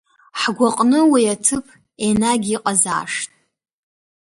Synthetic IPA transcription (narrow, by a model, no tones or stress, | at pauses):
ħɡʷaqʼnɨwiatʰɨpʰ | enaɡʲiqʼaza̰ːʂtʼ